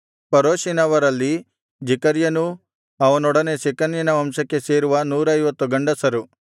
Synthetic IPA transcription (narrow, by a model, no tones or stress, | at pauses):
pɐɾoːʃinɐʋɐɾɐlːi | d͡ʒikɐɾjɐnu | ɐʋɐnɔɽɐne̞ʃikɐnjɐnɐɐmʃɐkːe̞seːɾuʋɐnuːɾɐɐjʋɐt̪ːuɡɐɳɖɐsɐɾu